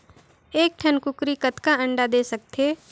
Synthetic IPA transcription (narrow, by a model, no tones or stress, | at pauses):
eːk̚ʈʰɐnkʊkɾikət̪kaɐ̃ɳɖad̪eːsɐk̚t̪ʰeː